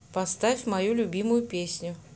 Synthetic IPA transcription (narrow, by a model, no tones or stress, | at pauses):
pɐst̪afʲmɐjulʲʊbʲimʊjʊpʲesʲnʲʊ